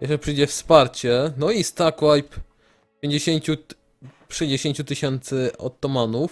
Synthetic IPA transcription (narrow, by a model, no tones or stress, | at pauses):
jɛɛpʂɨjd͡ʑɛfspaɾt͡ɕɛnɔist̪akwajp | pʲjeɲd͡ʑeɕeɲt͡ɕu | ʂɛɲd͡ʑeɕeɲt͡ɕut̪ɘɕɛnt̪sɘɔ̰t̪ːɔmanuf